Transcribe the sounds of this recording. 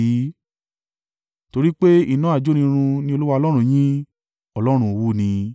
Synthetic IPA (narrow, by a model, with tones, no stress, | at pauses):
i˨˦ | to˧ɾi˦k͡pe˦ḭ˦˨nã˨˦a˨d͡ʒo˦nĩ˧ɾ̃ũ˧nĩ˧o˧lu˦wa˧ɔ˧lɔ˦ɾ̃ũ˦˨j̃ĩ˦ | ɔ˦˨lɔ˦ɾ̃ũ˧wu˦˨nĩ˧